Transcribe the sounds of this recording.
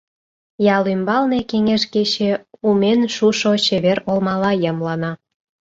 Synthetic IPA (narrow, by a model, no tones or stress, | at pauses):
jɑlymbɑlne̽keŋeʃket͡ɕĕumenʃuʃot͡ɕeβerolmɑlɑjəmlɑnɑ